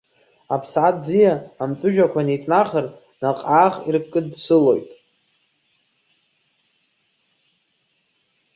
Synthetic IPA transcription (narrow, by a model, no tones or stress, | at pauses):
apʰsʕat̚ʰd͡zijaːmt͡sʼʊʒᶣakʷʰanejt͡sʼnaχər | naqʼaːχirpʰkʼɨdsɨlo̞̰jtʼ